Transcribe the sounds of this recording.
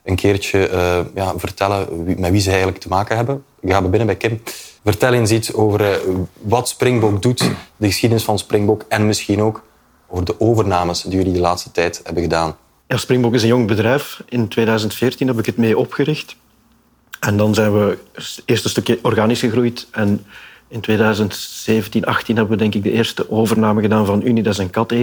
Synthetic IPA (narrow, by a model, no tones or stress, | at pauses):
ənkʰeːrt͡ʃəjaːvərtɛlənmɛtʋizəɛjɣələktəmaːkənɦɛbən | ɣaːbɛbɪnənbɛjkɪmvərtɛlɪnzitoːvərʋɑtsprɪŋbɔkdutdəɣəsxidənɪsfɑnsprɪŋbɔkɛnmɪsxinoːk | oːvərdəʔoːvərnaːməsdijɵlidəlaːtstə̥tɛjthɛbənɣədaːn | jaːsprɪŋbɔkɪzənjɔŋbədrɛjfɪntweːdœːɥzəntfɪːrtinɦɛbɪkətmeːʔɔpxəɾɪxt | ɛndɑnzɛːnʋəɪːrstənstɵkjəʔɔrɣaːnisxəɣrujtɛnɪntweːdœːɥzəntseːvəntinʔɑxtinɦɛbəʋədɛŋkɪɡ̚dəʔeːrstəʔoːvərnaːməɣədaːnvɑnynidaɪzɛnkɑte